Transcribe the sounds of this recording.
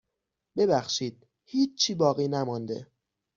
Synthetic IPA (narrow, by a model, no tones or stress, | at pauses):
be̞bæxʃiːd̪̥̚ | hiːt͡ʃt͡ʃʰːiːbɒːɣiːnæmɒnd̪e̞̰